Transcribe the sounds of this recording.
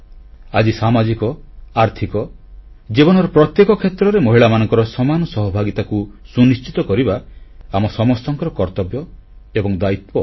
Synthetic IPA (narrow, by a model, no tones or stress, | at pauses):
ad͡ʒisamad͡ʒikɔaɾt̪ʰikɔ | d͡ʒibɔnɔɾɔpɾɔt̪jekɔkʰet̪ɾɔɾemɔɦiɭamanɔŋkɔɾɔsɔmanɔsɔɦɔbʱaɡit̪akusunist͡ʃit̪ɔkɔɾibaamɔsɔmɔst̪ɔŋkɔɾɔkɔɾt̪ɔbjɔebɔŋd̪ait̪̚pɔ